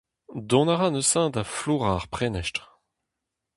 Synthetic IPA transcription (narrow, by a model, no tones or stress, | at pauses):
d̪ɔ̃naʁanøsɛ̃d̪afluːʁaʁpχɛnɛʃtʁ